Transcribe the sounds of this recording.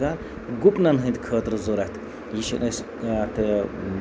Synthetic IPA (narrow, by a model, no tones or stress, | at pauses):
aːn | ɡupnɐnɦɨnʲt̪kʰəːt̪ɾɨzoɾɐt̪ʰ | jiʃɐ̰nʔɐs | t̪ʰɨ